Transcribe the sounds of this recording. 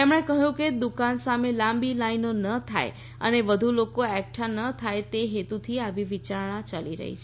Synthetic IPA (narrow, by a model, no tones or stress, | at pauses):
t̪emɽ̃ekəɦjũked̪ukansamelãmbilainonət̪ʰa̰j | ə̰neʋəd̪ʱulokoɛk̚ʈʰanət̪ʰajt̪eɦet̪ut̪ʰiaʋiʋit͡ʃaɾɳat͡ʃaliɾə̰ɦḭt͡ʃʰe